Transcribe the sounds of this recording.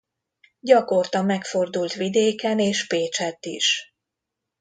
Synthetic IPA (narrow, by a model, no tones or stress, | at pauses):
ɟɒko̞rt̪ɒmːɛkfo̞rd̪ult̪ʋid̪eːkɛneːʃpeːt͡ʃɛt̪ːiʃ